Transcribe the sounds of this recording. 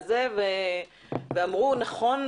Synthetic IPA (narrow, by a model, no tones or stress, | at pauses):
zeve | veamʁunaχon